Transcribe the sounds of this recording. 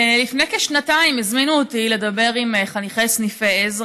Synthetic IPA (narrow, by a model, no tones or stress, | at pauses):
lifnekeʃnataimizminuot̪ile̞d̪abe̞ʁimeχaniχesnifeez